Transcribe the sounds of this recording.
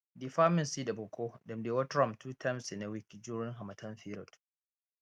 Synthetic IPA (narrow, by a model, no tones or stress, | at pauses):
diɸaːmɪnsiːdabʊkʰʷoːdɔmdeːwɔtɾɔmtuːtʰamsɪnawikd͡ʒuːɾɪŋɦamɐtʰɐnɸiːɾɔt